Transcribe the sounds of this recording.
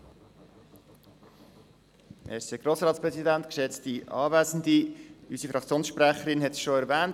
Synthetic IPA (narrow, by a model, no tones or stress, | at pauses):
mʔɛseɡ̥ɾoːsɾɑːt̪spɾɛsidænt̪kʃɛt͡stiʔɑ̰ːvæːzən̩d̪iysifɾɑk̚t͡sjoːnsʃpɾæχəɾɪnɦɛtsʃoæɾvæːnt